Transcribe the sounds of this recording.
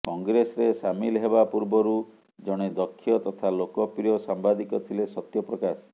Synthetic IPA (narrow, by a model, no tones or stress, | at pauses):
kɔŋɡɾesɔɾesamilɦebapuɾbɔɾu | d͡ʒɔɽ̃ed̪ɔkʰːijɔt̪ɔt̪ʰalokɔpɾijɔsambad̪ikɔt̪ʰilesɔt̪jɔpɾɔkas